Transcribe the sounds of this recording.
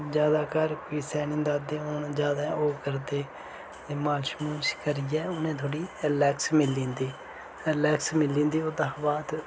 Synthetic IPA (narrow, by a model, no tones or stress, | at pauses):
d͡ʒjaːd̪aːkəɾkoiːsɛːnĩːd̪aːd̪ẽːond͡ʒjaːd̪aːoːkəɾt̪eː | eːmaːlʃmuːɾʃkəɾɪjɛːʊnẽːt̪ʰoːɽiːəlɛːksmɪlːĩːnd̪iː | əlɛːksmɪlːĩːnd̪iːoːd̪aːbaːt̪